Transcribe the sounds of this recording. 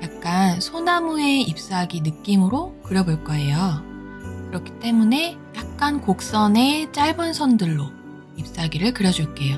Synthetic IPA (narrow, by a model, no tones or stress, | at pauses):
jak̚k͈ansʰonamue̞ip̚s͈aɡinɯk͈imɯɾokɯɾjʌboɭk͈ʌe̞jo | kɯɾʌkʰi̥t͈e̞mune̞ | jak̚k͈ankok̚s͈ʌne̞t͡ɕ͈aɭbɯnsʰʌndɯɭːo | ip̚s͈aɡiɾɯɭkɯɾjʌd͡ʑuɭk͈e̞jo